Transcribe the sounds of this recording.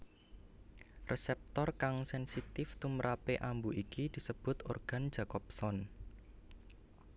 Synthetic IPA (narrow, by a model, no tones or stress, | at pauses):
rʔesɛp̚t̪ɔrkaŋsɛnsit̪ɪft̪uməɾʔapeʔambuʔikid̪̥i̤səb̥ʊ̤t̪orɡ̥a̤n̥ʒ̥a̤kɔp̚sɔn